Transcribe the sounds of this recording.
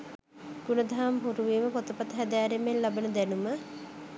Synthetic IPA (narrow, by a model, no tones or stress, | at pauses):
ɡ̥unəd̪ʱaɦamɦuɾuʋiːməpot̪əpat̪əɦæd̪æːɾemellabənəd̪ænumə